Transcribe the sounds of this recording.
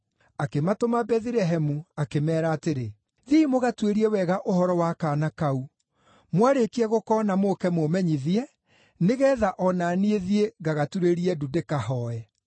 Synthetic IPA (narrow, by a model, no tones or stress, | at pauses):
akematomabɛðiɾɛɦɛmuakemɛːɾaːteɾe | ðiimoɣatweɾiɛwɛɣaʔohɔɾɔwakaːnakau | mwaɾekiɛɣokɔːnamokɛmomɛɲiðiɛ | neɣɛːðaʔɔnaːnieðieɣaɣatuɾeɾiɛdudekahɔɛ